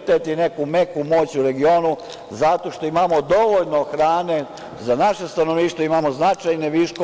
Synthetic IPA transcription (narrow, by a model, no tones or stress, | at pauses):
t̪et̪ine̞kume̞kumo̞ːt͡ɕuɾe̞ɡio̞ːnu | zat̪o̞ʃt̪o̞imamod̪o̞ʋoʎnoxɾaːne̞ | zanaʃe̞st̪ano̞ʋniːʃt̪ʋoimamoznat͡ʃajne̞ʋiʃko